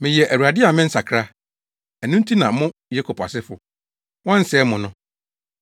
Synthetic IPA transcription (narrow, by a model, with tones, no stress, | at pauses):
mɪ̃˨jɛ˨ʔæ˨u˨a˨dɪ˦a˨mɪ̃˦n̩˦sa˨kʰɾa˦ | æ˨nũ˦n˦tʰi˦nã˨mʊ̃˦je˦kʰo˨pʰa̰˨sɪ˦fʊ˨ | wɔ̃˦n̩˦sɛː˨˦mʊ̃˨nʊ̃˦